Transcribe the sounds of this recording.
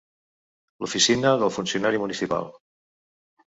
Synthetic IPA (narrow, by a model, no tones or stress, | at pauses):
lufisinəðəlˠfunsiunaɾimunisipa̰lˠ